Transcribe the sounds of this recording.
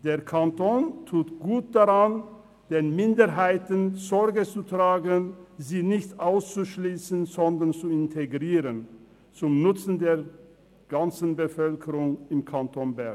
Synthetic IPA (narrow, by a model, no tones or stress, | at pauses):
d̥eːɐkʰantʰoːntʰuːtɡ̥uːt̚d̥aʁan | d̥eːnmɪndəɐɦaɪtənzɔʁɡət͡sutʁ̥aːɡənziːnɪçtʔaʊst͡suʃliːsən̩zɔndɐʁnt͡suɪntʰeɡʁiːʁən | t͡sʊmnʊt͡sn̩deːɐ | ɡ̥ant͡sn̩bəfœlkʰəʁʊŋɪmkʰantonbɛɐɡ